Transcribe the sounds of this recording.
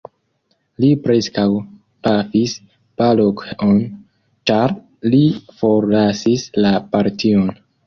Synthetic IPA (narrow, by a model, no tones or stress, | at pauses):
lipɾe̞skaw | pafis | palokeʔon | t͡ʃaɾ | lifo̞ɾlasislapaɾtʰio̞n